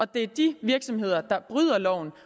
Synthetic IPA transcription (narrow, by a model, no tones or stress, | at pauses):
ɒ̽d̥e̝æɐd̥iʋiɐɡ̥sɒ̽mɦe̝ð̞̰ˠɐd̥ɑ̈b̥ʁyð̞̰ˠɐlɒʊ̰n̩